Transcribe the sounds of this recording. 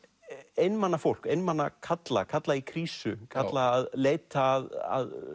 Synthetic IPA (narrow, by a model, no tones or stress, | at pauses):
ejnmanːafowl̥kejnmanːakʰat̪la̰kʰat̪laikʰɾiːsʏkʰat̪laːðleːjt̪aːða̰ð